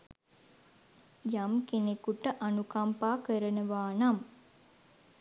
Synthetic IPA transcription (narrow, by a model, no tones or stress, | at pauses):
jamkenekuʈəʔanukampaːkəɾənəʋaːnam